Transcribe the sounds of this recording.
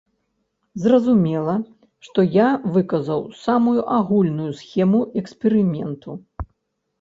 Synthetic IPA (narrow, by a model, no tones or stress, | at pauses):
zrɐzumʲɛlˠɐ | ʂt̪ɔjavɨkɐzɐwsamujuʔaɣulʲnujusxʲɛmuʔɛkspʲɛɾɨmʲɛnt̪ʰu